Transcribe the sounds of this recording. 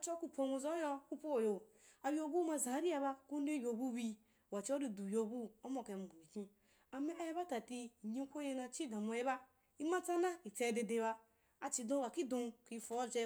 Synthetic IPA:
a˨t͡ʃɔ˦ku˦˧po˧nu˧zo˦jɔ˧ku˦po˦˨jo˨ | a˨jo˦˨bu˦ma˧zã˨˦ɾi˦a˧ba˧ku˦n˦de˦jʲo˨bu˦bi˧˨ | wa˨t͡ʃi˦o˦di˧du˨jo˨bu˦o˦mo˨ke˨bu˨bi˨kĩ˦ | a˨me˦a˨je˦ba˦ta˨ti˧˨ɲi˦kʷo˦je˧na˨˧t͡ʃi˦˨dã˨mo˨je˦ba˦ | i˦ma˦t͡sa˦na˦i˨t͡se˧˨de˧de˨˧ba˧ | a˨t͡ʃi˨dõ˦ba˨ki˦dõ˧ki˧fo˨˦ze˦

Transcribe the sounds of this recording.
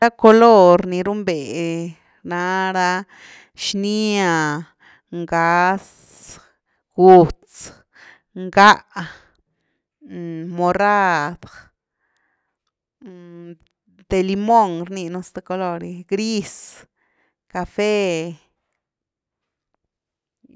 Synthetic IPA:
ɾa˦ko˧lo˦ɾni˨ɾu˦mbe˨ | na˧ɾa˦ | ʃni˦a˨ | ŋɡa˨˧˦s | ɡ̥u˨t͡s | ŋɡa˦ʔ | mo˨ra˦d̪ | d̪̥e˨li˧mo˦˨ŋɾni˧nu˧st̪e˧ko˧lo˧ɾi˧ɡɾi˦s | ka˧fe˦

